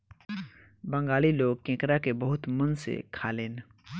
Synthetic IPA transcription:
bə̃ŋɡaːliloːɡ̚kẽːkɾakebəɦʊt̪mənsḛkʰaːleːn

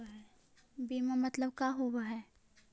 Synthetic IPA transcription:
ɦɛ | biːmamɐt̪ləbkaɦowaɦɛː

